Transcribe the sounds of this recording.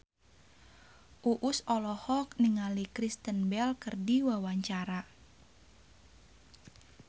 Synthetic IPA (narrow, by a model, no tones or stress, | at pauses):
ʔuʔusɔlɔhɔk̚niŋalikɾist̪ənbɛlkərdiwawaɲt͡ʃaɾa